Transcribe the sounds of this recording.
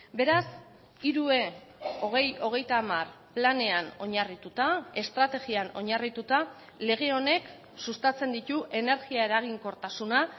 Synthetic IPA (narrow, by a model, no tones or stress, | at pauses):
be̞ɾas | iɾue̞ | oɣejo̞ɣ̞e̞jt̪aːmar | plane̞ano̞ɲarit̪ut̪ae̞st̪ɾat̪e̞ɣiano̞ɲarit̪ut̪a | le̞ɣe̞o̞ne̞k | sust̪at͡se̞nd̪it̪uʔe̞ne̞ɾɣiae̞ɾaɣ̞iŋko̞ɾt̪asuna